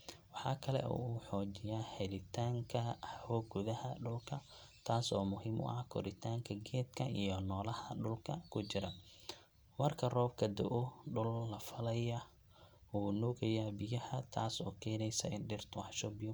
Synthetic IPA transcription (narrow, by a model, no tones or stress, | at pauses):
wɑħɑːkʰɐlɛ̰ʔṵuːħɔːt͡ʃɪjaːhɛlɪt̪ʰaːŋkʰɐhɔːɡʊðɐhɐɖʊlkʰɐ | t̪ʰaːsɔːmʊhiːmʔʊ̰ʔɐhkʰɔ̰ɾɪt̪ʰaːŋkʰɐɡɛːd̪kʰɐijɔnɔːlɐhɐɖʊlkʰɐkʰʊt͡ʃɪɾɐ | mɐrkʰɐrɔːbkʰɐd̪ɔʔʊɖʊlːɐfɐlɐjɐ | uːnɔːɣɐjaːbɪjɐhɐt̪ʰaːsɔːkʰɛːnɛjsɐ̰ɪnɖɪrt̪ʰwɑħʃɔbɪjʊ